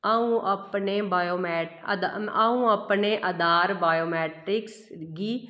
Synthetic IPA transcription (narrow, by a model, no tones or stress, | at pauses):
əũːʔəpneːbaːjoːmɛːd̪aũːəpneːʔəd̪aːɾbaːjoːmɛːʈɾɪks | ɡiː